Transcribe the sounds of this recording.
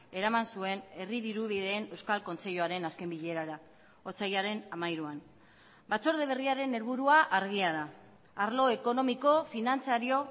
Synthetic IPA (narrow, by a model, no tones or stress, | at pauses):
e̞ɾamansue̞ne̞riðiɾuðiðeːne̞wskalko̞nt͡se̞ʎuaɾe̞naske̞mbiʎe̞ɾaɾa | o̞t͡sajaɾe̞namajɾuan | bat͡so̞ɾð̞e̞β̞e̞riaɾe̞ne̞ɾβuɾuaʔaɾɣ̞iað̞aː | ɾlo̞eko̞no̞miko̞finant͡saɾio̞